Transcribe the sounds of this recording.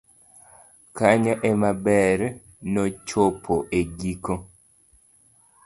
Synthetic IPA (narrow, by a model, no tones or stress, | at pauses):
kaɲaʔemabɛɾ | nɔt͡ʃopʰoʔeɡiko